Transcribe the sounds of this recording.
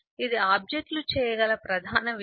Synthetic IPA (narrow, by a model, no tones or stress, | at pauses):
id̪iaːb̚d͡ʒek̚ʈ̪lut͡ʃɛːjɐɡɐlɐpɾɐd̪ʱaːnɐʋ